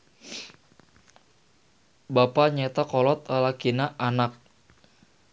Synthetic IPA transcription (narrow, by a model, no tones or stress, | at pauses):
bapaɲɛt̪akɔlɔt̪̚alakinaʔanak̚